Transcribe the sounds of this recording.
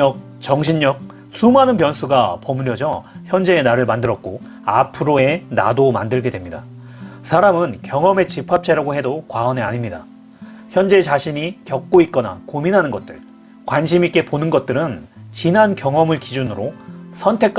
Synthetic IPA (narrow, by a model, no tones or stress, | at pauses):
ʌk̚ | t͡ɕʌŋɕʰinɲɲʌk̚ | sʰumanɯnpjʌnsʰuɡapʌmuɾjʌd͡ʑʌçjʌnd͡ʑe̞ːnaɾɯɭmandɯɾʌt̚k͈o | a̰pʰɯɾoe̞na̰domandɯɭɡe̞dwe̞mɲida | sʰaɾamɯnkjʌŋʌme̞t͡ɕipʰap̚t͡ɕʰeɾaɡohe̞dokwaʌniaɲimɲida | çjʌnd͡ʑe̞t͡ɕaɕʰiɲikjʌk̚k͈oit̚k͈ʌna̰kominɦanɯnɡʌt̚t͈ɯ̰ɭ | kwanɕʰimik͈e̞ponɯnɡʌt̚t͈ɯɾɯnt͡ɕinɦankjʌŋʌmɯɭkid͡ʑunɯɾosʰʌntʰe̞k͈